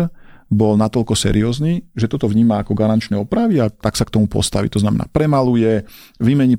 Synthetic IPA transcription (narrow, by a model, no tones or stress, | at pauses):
bɔlnat̪ɔʎkɔsɛ̰ɾiɔːzniːʒɛt̪ɔt̪ɔʋɲiːmaːkɔɡaɾant͡ʃnɛɔpɾaʋiat̪aksak̚t̪ɔmupɔ̰st̪aʋḭt̪ɔznamɛ̰na̰ːpɾɛmalujɛ | ʋimɛɲi